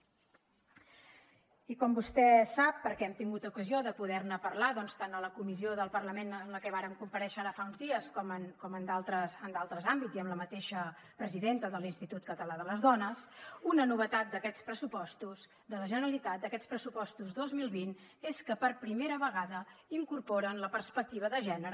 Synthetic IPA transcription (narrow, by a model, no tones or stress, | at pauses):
ikɔmbust̪ɛsapːəɾkɛɛmt̪iŋɡut̪ukəzioðəpuðɛrnəpərlaðɔnst̪anələkumizioðəlˠpərləmenənləkɛβaɾəmkumpəɾɛʃəaɾəfaunzðiəskɔmənkɔmənd̪alˠt̪ɾəsənd̪alˠt̪ɾəzambidziəmləmət̪eʃə | pɾəziðent̪əðəlinst̪it̪ut̪̚kət̪əlaðələzðɔnəsunənuβət̪at̪̚d̪əkɛt͡spɾəsupɔst̪uz | d̪ələʒənəɾəlit̪at̪̚d̪əkɛspɾəsupɔst̪uzðozmilˠβin | eskəpərpɾimeɾəβəɣaðəiŋkurpɔɾənləpərspək̚t̪iβ̞əðəʒɛnəɾə